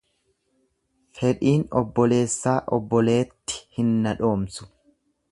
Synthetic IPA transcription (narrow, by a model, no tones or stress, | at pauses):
fɛᶑiːnɔbːɔle̞ːsːaːʔɔbːɔle̞ːt̪ːɪ̥hɪnːɐᶑo̞ːmsʊ̥